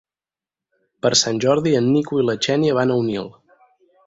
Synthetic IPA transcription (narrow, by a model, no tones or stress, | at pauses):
pəɾsanʲʒɔɾðiənːikuilət͡ʃɛnjəβ̞anəwnilˠ